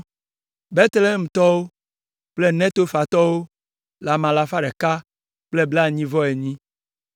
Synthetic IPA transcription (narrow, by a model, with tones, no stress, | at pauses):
be˦t̪le˦m̩˨t̪ɔ˦wo˦ | k͡ple˦nɛ̃˦t̪o˦fa˨t̪ɔ˦wo˦ | la˨mã˨la˨fa˦ɖɛ˨ka˦ | k͡ple˦bla˦˨ɲĩ˦vɔ˦e˨ɲĩ˦